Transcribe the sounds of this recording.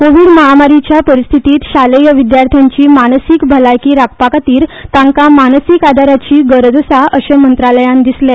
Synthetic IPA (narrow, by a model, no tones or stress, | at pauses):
koʋiːɽməɦamaɾit͡ɕjapəɾist̪ʰit̪iːt̪ɕalejəʋid̪jaɾt̪ʰjaɲt͡ɕiːmaɽ̃sikbʱəlajkiːɾak̚pakat̪iːɾt̪ãŋkamaɽ̃sikad̪aɾat͡ɕiːɡəɾd͡z̪əsaʔəɕəmənt̪ɾaləjãnd̪isla